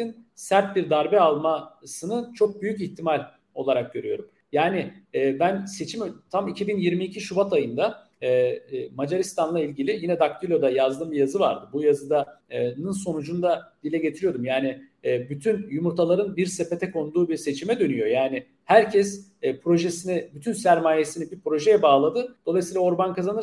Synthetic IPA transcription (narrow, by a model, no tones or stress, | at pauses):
insæɾt̪̚biɾd̪aɾbɛalˠmasɯnɯt͡ʃʰo̞k̚byjyciçt̪ʰimalʲ | o̞lˠaɾak̚ɟøɾyjo̞ɾum | jaːnɪɛːbænse̞t͡ʃʰimt̪ʰamicʰibinjiɾmiːcʰiʃubat̪ʰajɯnd̪aː | mad͡ʒaɾist̪ʰanlˠailʲɟilʲijinɛd̪aklʲˠilʲo̞d̪ajazd̪ɯmbijazɯva̰ɾd̪ɯbujazɯd̪anɯnso̞nud͡ʒund̪ad̪̥ilʲɛɟe̞t̪ʰiɾijo̞d̪umjaːnɪːbyt̪ʰynjumuɾt̪ʰalˠaɾɯnbiɾsepe̞t̪ʰɛkʰo̞nd̪uːbiɾse̞t͡ʃʰimɛd̪ø̞nyjo̞jaːnɪ | hæɾcʰɛspʰɾo̞ʒesinɪbyt̪ʰynsæɾmaːje̞sinibipɾo̞ʒejɛbaːlˠad̪ɯd̪̥olˠajsiːlˠaoɾbankʰazanɯɾ